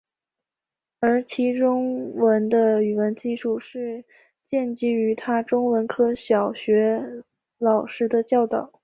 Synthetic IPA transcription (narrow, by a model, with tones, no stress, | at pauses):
ə˞˧˥t͡ɕʰi˧˥ʈ͡ʂʊ˥ŋwə˧˥nd̪ə˧y˨˩wə˧˥nt͡ɕi˥˧ʂu˥˧ʂɻ̩˥˧ | t͡ɕjɛ˥˧nt͡ɕi˥y˧˥t̪ʰa˥ʈ͡ʂʊ˥ŋwə˧˥nkʰɤ˥ɕjɑ˨˩ʊɕɥɛ˧˥ | lɑ˨˩ʊʂɻ̩˥d̪ə˧t͡ɕjɑ˥˩ʊt̪ɑ˨˩˦ʊ